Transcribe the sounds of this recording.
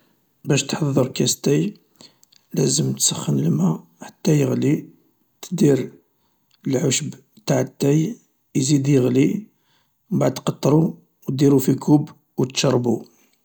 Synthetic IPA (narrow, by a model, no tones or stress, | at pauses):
bæʃt̪ħɑðˤːəɾˤkæst̪æj | læzəmt̪səχːənəlmæ | ħat̪ːæjəɣli | t̪d̪iɾ | əlʕoʃb | t̪aʕət̪ːæj | jzid̪jəɣli | baʕd̪qɑt̪ˤːɾˤu | wd̪iɾufikʰub | wt̪ʃɑrˤːbu